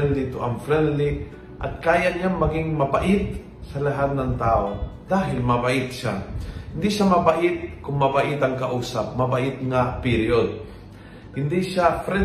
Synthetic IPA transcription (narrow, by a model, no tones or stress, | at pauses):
ɛnd̪ɪt̪ʊʔɐmfɾɛnlɪ | ʔɐ̰t̪̚kaːjaʔɲaŋmɐɡɪŋmɐbaʔɪt̪̚ | sɐlaɦad̪̚nɐŋt̪aːʔod̪aːɦɪlmɐbaʔɪt̪̚ʃahɪnd̪ɪʃamɐbaʔɪt̪̚kʊŋmɐbaʔɪt̪ɐŋkaʔuːsap̚mɐbaʔɪt̪̚ŋapɪɾjod̪̚ | hɪnd̪iʃafɾɛ